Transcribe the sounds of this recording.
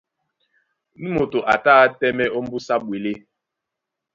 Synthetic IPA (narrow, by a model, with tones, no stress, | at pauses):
nu˦mo˨to˨ʔa˨taː˦tɛ˦mɛ˦ʔo˦m̩˦bu˦sa˦bwe˨le˦